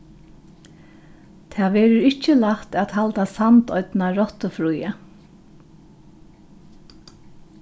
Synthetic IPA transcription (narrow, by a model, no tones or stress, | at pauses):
t̪ʰæːʋɛːɾʊɾɪht͡ʃːəlaht̪ɛt̪halt̪asant̪ɔʏt̪naɾɔt̪əfɾuja